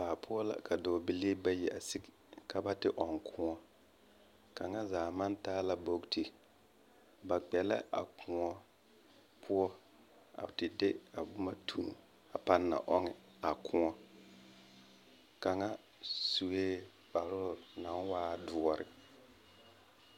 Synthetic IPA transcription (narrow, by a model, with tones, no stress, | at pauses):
baː˨pʰʊ˦ɔ˦la̰˨kʰa˨do˨bi˨li˦ba˦jɛ˨ʔa˨si˦kka˦ba˦tɪ˦ʔɔ˨ŋkʰʊ̃˦ɔ˦ | ka˨ŋa˦zaː˨ma˦ntaː˦la˦bo˦kti˦ | ba˨k͡pɛ˨la̰˦ʔa̰˨kʰʊ̃˨ŋɔ˦ | pʰʊ˦ɔ˦ | a̰˨tɪ˨de˦a˨bʊ˦ma˦tʰu˨n˨ | a˨pa˦nːa̰˨ʔɔ˦ŋɪ˦ | a˨kʰʊ̃˦ɔ˦ | ka˨ŋa˦ | su˨weː˦ | ba˨ɾʊ˦˨na˨˦n˦waː˦dʊ˨ɔ˨ɾɪ̰˨